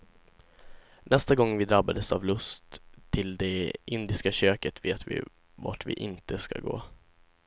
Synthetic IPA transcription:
nʔɛst̪aɡɔŋːvɪd̪ɾabːad̪əsavlɵst̪ʰːɪld̪ɛʔɪnd̪ɪskaɕøːkət̪veːt̪vɪ̰ | va̰ʈvɪ̰ʔɪnt̪əska̰ɡoː

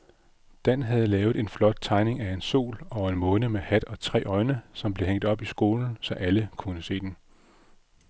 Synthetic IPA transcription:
d̥ænɦæð̞̩ˠlɛːʊð̩ˠe̝nflɒ̽d̥̚t͡sʰɑ̈ɪne̝ŋæe̝nso̝̰ːlɒ̽e̝nmɔ̽nəmehæd̥ɒ̽t͡sʰʁɛ̰ːɒ̽ɪnəsɒ̽mb̥le̝ɦeŋ̰d̥ˠɒ̽b̥isɡ̥o̝ːln̩sɒ̽ʔæləkʰunəse̝̰ːd̥en

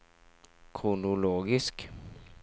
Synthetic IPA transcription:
kʰʊnʊloːɡɪsk

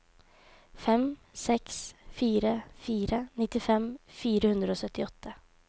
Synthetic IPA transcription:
fɛmsɛksfiːɾəfiːɾənɪt̪ːɪfɛmfiːɾəhʉnd̪ɾəoːsœt̪ːɪɔt̪ʰːə

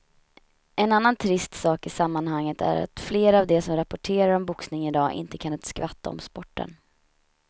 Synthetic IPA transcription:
ɛnanːant̪ʰɾɪst̪sɑːkɪsamːanhaŋːət̪æ̰ɾa̰t̪fleːɾavd̪ɛsɔmɾapːɔʈʰeːɾaɾɔmbʊksnɪŋɪd̪ɑːʔɪ̰nt̪əkʰant̪skvat̪ʰːa̰ɔ̰mspɔʈːə̰n

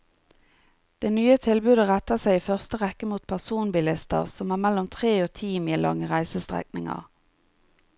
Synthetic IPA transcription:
d̪̥eːnyːət̪ʰɪlbʉːd̪əʁæt̪əsæɪiːfœʁst̪əʁɛkːəmuːt̪̚pʰæʁsuːnbɪlɪst̪ə̰ʁsɔmæːʁmɛlɔmt̪ʰʁeːoːt̪ʰiːmiːlɑ̰ŋəʁæɪsəst̪ʁɛ̰knɪ̰ŋə̰ʁ

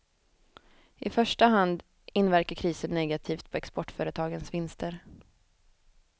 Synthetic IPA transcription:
ʔɪfœʂʈaɦand̪ | ɪnːvæɾkəɾkʰɾiːsənːɛɡat̪ʰiːft̪̚pʰɔɛkspɔʈːfœːɾət̪ʰɑːɡənsvɪnst̪ʰəɾ

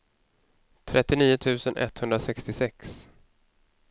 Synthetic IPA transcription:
t̪ʰɾʔɛt̪ːɪniːʊt̪ʰʉ̟ːsənʔɛ̰t̪ːhɵnd̪ɾasɛkst̪ɪsɛks

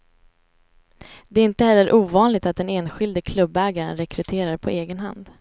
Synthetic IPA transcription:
d̪ɛːɾɪnt̪əhɛlːəɾʔuːvɑːnlɪɡ̚t̪at̪̚d̪ɛneːnɧɪld̪əkʰlɵbːɛːɡaɾə̰nɾɛkɾɵt̪ʰeːɾaɾpʰɔeːɡənɦa̰nd̪

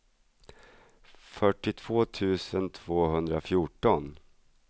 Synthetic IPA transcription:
fœʈːɪt̪ʰv̥oːt̪ʰʉ̟ːsənt̪ʰv̥oːɦɵnd̪ɾafjʊʈɔn

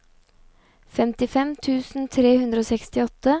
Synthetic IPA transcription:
fɛmt̪ɪfɛmt̪ʰʉːsn̩t̪ʰɾeːhʉnd̪ɾəoːsɛkst̪ɪɔt̪ə

